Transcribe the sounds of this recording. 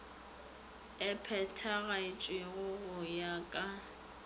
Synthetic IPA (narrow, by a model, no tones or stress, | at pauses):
ɛpʰɛtʰaɣaɪt͡ʃʼwɪɣʊɣʊjakʼa